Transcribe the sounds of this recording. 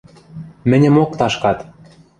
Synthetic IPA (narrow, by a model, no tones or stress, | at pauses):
mɘ̆nʲɘ̆mokt̪ɑʃkɑt̪